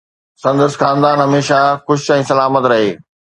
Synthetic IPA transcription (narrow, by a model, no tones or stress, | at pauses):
sɐ̃nd̪əsxãːnd̪aːnɦɐmeːʃaxʊʃɛ̃ːsɐlaːmət̪ɾɐɦeː